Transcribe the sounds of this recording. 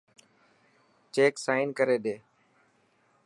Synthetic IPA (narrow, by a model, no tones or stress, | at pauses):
t͡ʃeːksaːɪnkəɾeːɗeː